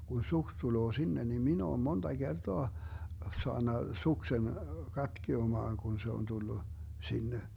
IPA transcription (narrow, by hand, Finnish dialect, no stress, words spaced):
kun suks tuloː sinːe nim min oːm mond̥ɑ ɡ̊erd̥oɑ soɑnːɑ suksen kɑtkiomɑːŋ kun se on tulːu sinːe